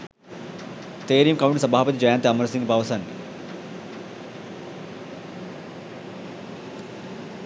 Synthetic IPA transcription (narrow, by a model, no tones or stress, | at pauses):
t̪eːɾijɐmkɐwuɳʈsɐbʱaːpɐt̪id͡ʒɐjaːnt̪ɐmɐɾsiŋɡbʱaːʋɐsɐnːi